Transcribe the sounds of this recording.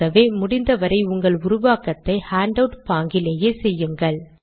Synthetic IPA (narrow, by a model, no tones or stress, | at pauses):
ɐʋeːmʊɽɪnd̪ɐʋɐɾɐɪʊŋɡɐɭʊɾʊʋaːkɐt̪ːɐɪhaːɳɖɐʊʈpaːŋɡɪleːjeːsɛjːɯŋɡɐɭ